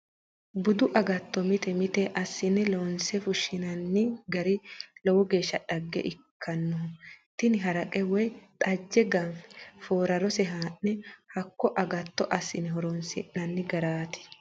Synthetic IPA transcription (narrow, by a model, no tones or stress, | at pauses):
bʊd̪ʊʔɐɡɐt̪ːɔmɪt̪ɛmɪt̪ɛʔɐsːɪnɛlɔnsɛfʊʃːɪnɐnːɪɡɐɾɪlɔwɔɡe̞ːʃːɐᶑɐɡːɛ̰ʔɪkʰːɐnːɔt̪ɪnɪɦɐɾɐkʼɛwɔjt̪ʼɐd͡ʒːɛɡɐnfɛ̥foːɾɐɾɔsɛɦaːnːɛhɐkːɔʔɐɡɐt̪ːɔʔɐsːɪnɛɦɔɾɔnsɪ̰ʔːɐnːɪɡɐɾaːt̪ɪ̥